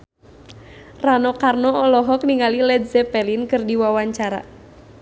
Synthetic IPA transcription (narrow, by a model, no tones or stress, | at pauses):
ranɔkarnɔɔlɔɦɔk̚niŋalilɛd̚zɛpɛlinkɨrdiwawaɲt͡ʃaɾa̰